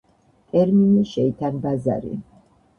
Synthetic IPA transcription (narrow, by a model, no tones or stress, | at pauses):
t̪ʼɛɾminiʃɛit̪ʰanbaza̰ɾḭ